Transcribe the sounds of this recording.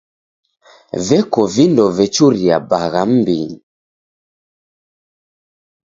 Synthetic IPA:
vɛkɔvindɔvɛt͡ʃuɾiabaɣam̩biɲi

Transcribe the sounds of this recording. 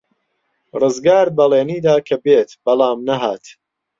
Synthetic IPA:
rɨzɡaːɾd̪̚bɐleːniːd̪aːkʰɐbeːt̪bɐlˠaːmnɐɦaːt̪

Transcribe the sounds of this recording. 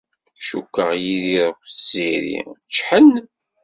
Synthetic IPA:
ʃukːəʁjiðiɾˤəkʷθz̥iɾḭt͡ʃːħən

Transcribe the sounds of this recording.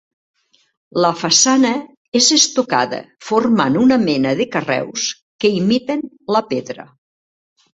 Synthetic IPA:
ləfasanə | ezest̪oka̰ðə̰formanunəmɛnəðəkərɛ̰ws | kəimit̪ən | ləpeðɾə̰

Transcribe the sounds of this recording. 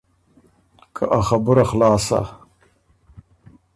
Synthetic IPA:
kʰaʔaxabʊɾaxlɑːsa̰

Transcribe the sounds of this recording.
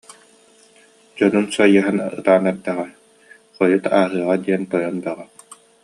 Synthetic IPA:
d͡ʑɔnunsuɔjɯɦanɯ̰t̪aːnɛɾd̪ɛʁɛ | χɔjut̪aːɦɯːʁad̪iɛnt̪ɔjɔnb̪aʁa

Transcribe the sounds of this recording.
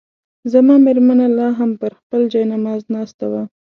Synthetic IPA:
zamɑmeɾmanalɑɦampəɾxpəld͡ʒɑjnamɑznɑst̪awa

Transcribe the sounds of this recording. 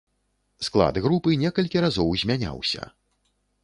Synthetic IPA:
sklˠa̰d̪ɣɾupɨnʲɛkɐlʲkʲiɾazɔwzʲmʲanʲa̰wsʲɐ̰

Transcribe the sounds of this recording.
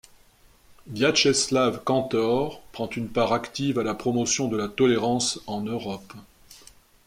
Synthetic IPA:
vjaʃɛslavkɑ̃t̪ɔʁpχɑ̃t̪ynpaʁakt̪ivalapχɔmɔsjɔ̃d̪əlat̪ɔleʁɑ̃sɑ̃nøʁɔp

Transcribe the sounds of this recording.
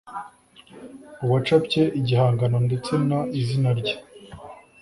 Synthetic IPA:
uwat͡ʃapce̞ʔiɟihaːŋɡanonde̞t͡se̞naizinaɾɟḁ

